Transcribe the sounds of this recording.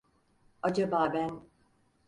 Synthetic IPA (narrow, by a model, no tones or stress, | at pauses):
ad͡ʒabaːbæn